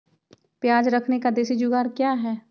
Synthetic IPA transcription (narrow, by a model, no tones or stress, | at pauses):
pjaːd͡ʒɾɐkʰnekad̪eːsid͡ʒʊɡaːɾkjaːɦɛː